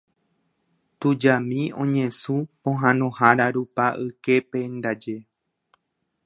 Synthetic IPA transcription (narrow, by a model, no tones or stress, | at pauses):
t̪ud͡ʒamĩõ̞ɲẽ̞sũpõɦãnõhaɾaɾupaʔɨke̞pend̪ad͡ʒe̞